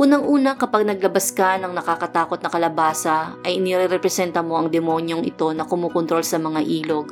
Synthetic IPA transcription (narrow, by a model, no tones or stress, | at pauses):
ʔuːnɐŋʔuːnɐkɐpaɡ̚nɐɡ̚lɐbɐskɐnɐŋnɐkakɐt̪aːko̞t̪̚nɐkɐlɐbaːsɐʔɐjʔɪnɛɾɛɾɛpɾɛsɛnt̪ɐmo̞ʔɐŋd̪ɛmo̞ːnjoŋɪ̰t̪o̞nɐkʊmuːkont̪ɾo̞lsɐmɐŋaʔiːlo̞ɡ̚